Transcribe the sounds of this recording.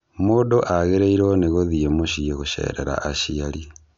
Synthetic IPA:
moːdoʔaɣeɾeiɾoneɣoðiemoʃieɣoʃɛ̰ːɾeɾa̰ʔaʃiaɾi

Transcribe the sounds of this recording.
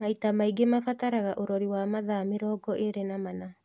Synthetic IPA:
maitamaiɡemafataɾaɣaʔoɾɔɾiwamaðameɾɔːɡɔʔeɾenamana

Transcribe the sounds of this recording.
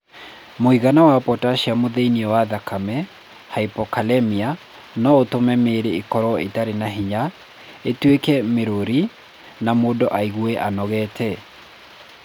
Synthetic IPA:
moiɣanawapɔtaʃiamoðeiniɔwaðakʰamɛ | haipɔkalɛmia | nɔotomɛmeːɾeekɔɾɔḛtaɾenaɦiɲa | etwekɛmeɾoɾi | namodɔʔaiɣwɛʔanɔɣɛːtʰɛ

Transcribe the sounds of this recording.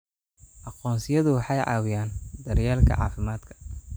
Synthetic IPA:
ʔɑqɔːnsɪjɐðʊwɑħɑjʕɑ̰ːwɪjaːnd̪ɐɾjaːlkʰɐ̰ʕɑ̰ːfɪmaːd̪kʰɐ̥

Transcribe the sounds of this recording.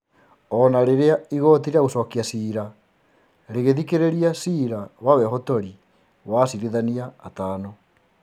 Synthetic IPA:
ɔnaɾeɾeaiɣɔtiɾiaɣosɔːkiasiɾa | ɾeɣeðikeɾeɾiasiɾawawɛɦɔtoɾi | wasiɾiðaniaːtaːnɔ

